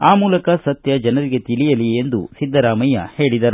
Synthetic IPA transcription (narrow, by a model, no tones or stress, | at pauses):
aːmuːlɐkɐsɐt̪jɐd͡ʒɐnɐɾiɡe̞t̪ilijɐlie̞nd̪ṵsid̪ʱːɐɾaːmɐjɐ̰he̞ːɭid̪ɐɾu